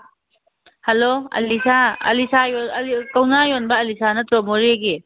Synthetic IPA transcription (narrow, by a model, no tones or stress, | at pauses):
hɐloɐ̰lisaɐ̰lisajɔkawnajɔnbɐːlisʰanɐtɾɔmoɾiɡi